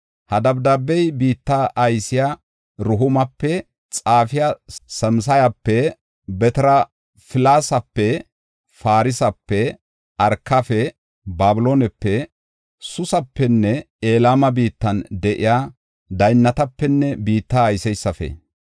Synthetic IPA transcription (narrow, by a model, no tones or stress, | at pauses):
hɐd̪ɐbd̪aːbːɛjbiːt̪ːaʔɐjsɪja | ɾʊɦʊmɐpːɛ | t͡sʼaːfɪjasɐms̬ɐjɐpːɛ | bɛt̪ɛɾɐ | fɪlaːsɐpːɛ | faːɾɪsɐpːɛ | ɐɾkːɐfɛ | baːbɪloːnɛpːɛ | sʊsɐpːɛnːɛ | eːlaːmɐbiːt̪ːɐnd̪ɛʔɪjaː | d̪ɐjnːɐt̪ɐpːɛnːɛbiːt̪ːaːjsɛjsːɐfɛ̰